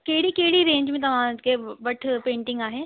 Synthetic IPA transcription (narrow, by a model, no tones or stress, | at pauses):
keɦɪɽikeɦɪɽiɾẽːɲd͡ʒmẽːt̪̬ɐʋ̤ãkeʋɐʈʰpẽːɳʈɪ̃ŋɡaːɦeː